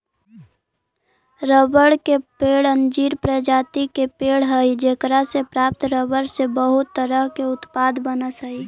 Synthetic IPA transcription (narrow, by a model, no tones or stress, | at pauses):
ɾəbəɽkepeːɽənd͡ʒiɾpɾəd͡ʒaːt̪ikepeɽɦəid͡ʒekɾasepɾaːp̚t̪ɾəbəɽsebəɦʊt̪ːəɾəɦkeʊt̪pad̪bənəsəi